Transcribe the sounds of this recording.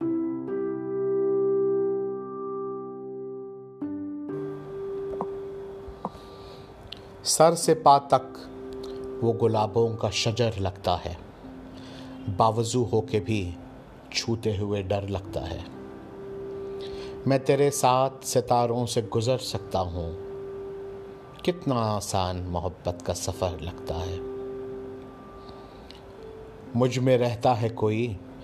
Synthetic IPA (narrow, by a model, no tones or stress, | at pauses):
sɐɾsepaːt̪ɐk | ʋoːɡʊlaːbõkaʃɐd͡ʒəɾlɐɡt̪a̰ɦɛː | baːʋəzuɦoːkebʱi | t͡ʃʰuːt̪eɦʊeɖɐɾlɐɡt̪a̰ɦɛ̰ː | mɛ̃ːt̪eːɾesaːt̪ʰsɪt̪aːɾõseɡʊzəɾsɐk̚t̪aɦũ | kɪt̪naaːsaːnmʊɦəbːət̪kasɐfəɾlɐɡt̪a̰ɦɛː | mʊd͡ʒʱmẽɾɛɦt̪aɦɛkoːi